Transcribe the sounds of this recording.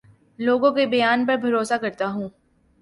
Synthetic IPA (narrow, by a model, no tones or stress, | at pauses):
loːɡõkebɐjaːnpɐɾbʱɐɾoːsakɐɾt̪aɦũː